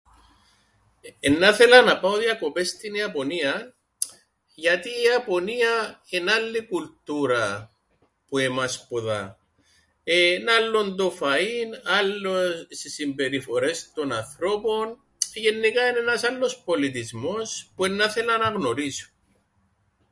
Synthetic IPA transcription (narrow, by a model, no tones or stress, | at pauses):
enːaθe̞lɐnɐpaoðjɐko̞pe̞st̪iniɐpo̞niɐ | ʝɐt̪iɐpo̞niɐenalːikult̪uɾɐ | puemaspoða̰ | enalːond̪ofainalːossisimbe̞ɾifo̞ɾe̞st̪o̞nanθɾo̞po̞n | ʝenːikainenɐsalːo̞spo̞lit̪̬izmo̞spue̞nːaθe̞lɐnɐɣnoɾiso̥